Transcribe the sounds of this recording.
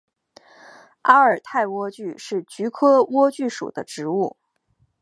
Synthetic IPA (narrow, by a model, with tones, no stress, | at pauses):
a˥ə˞˨˩t̪ʰa˥˩ɪwɔ˥t͡ɕy˥˧ʂɻ̩˥˩t͡ɕy˧˥kʰɤ˥wɔ˥t͡ɕy˥˩ʂṵ˨˩d̪ə˦ʈ͡ʂɻ̩˧˥u˥˩